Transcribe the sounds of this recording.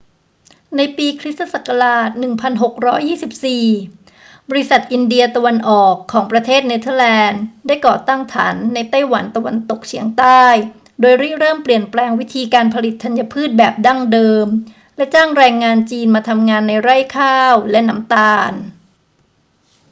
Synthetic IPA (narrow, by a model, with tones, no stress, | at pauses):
na˧jpiː˧kʰɾi˦˥t̪ʰːa˧sa˨˩ka˧laː˨˩t̪̚nɯ˨˩ŋpʰa˧nɦo˨˩k̚ɾɔː˦˥jːiː˥˩si˨˩p̚siː˨˩ | bɔ˧ɾi˦˥sa˨˩t̪̚ʔi˧ndi˧ɐt̪a˧wa˧nʔɔː˨˩kʰːɔː˩˦ŋpɾa˧t̪ʰeː˥˩t̪̚ne˦˧˥t̪ʰɤː˧˩lɛː˧ndaː˥˩jkɔː˨˩t̪a˥˩ŋt̪ʰa̰ː˩˦nːa˧jt̪a˥˩jwa˩˦nt̪a˧wa̰˧nt̪o˨˩k̚t͡ɕʰi˩˦əŋt̪aː˥˩j | doː˧jɾiː˥˩ɾɤː˥˩mpli˨˩ənplɛː˧ŋwi˦˥t̪ʰiː˧kaː˧npʰa˧li˨˩t̪ʰːa˧nja˧pʰɯː˥˩t̪̚bɛː˨˩p̚da˥˩ŋdɤː˧m | lɛ˦˥t͡ɕaː˥˩ŋɾɛː˧ŋːaː˧nt͡ɕiː˧nmaː˧t̪ʰa˧mŋaː˧nːa˧jɾa˥˩jkʰaː˥˩wlɛ˦˥ʔna˦˥mt̪aː˧n